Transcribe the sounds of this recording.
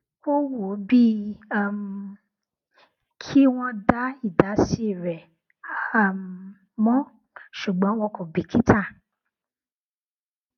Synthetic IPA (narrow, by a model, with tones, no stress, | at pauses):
o˦wo˨˦bi˦a˦˨m˨ | kʰi˦w̃ɔ̃˦da˦i˦˨da˨˦si˦˨ɾɛ˨˦˨ | m˨ | mɔ̃˦ | ʃu˨ɡ͡bɔ̃˨˦w̃ɔ̃˧kʰo˨bi˨ki˦ta˦˨